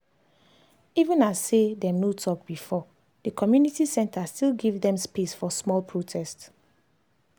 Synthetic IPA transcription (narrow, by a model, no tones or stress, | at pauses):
ivũnasːedɛ̃mnotʰɔk̚b̥ifɔ | dəkʰɔmjunitisɛ̃ntʰastilˠɡivdɛ̃mspesfɔsmɔlpʰɹotʰɛst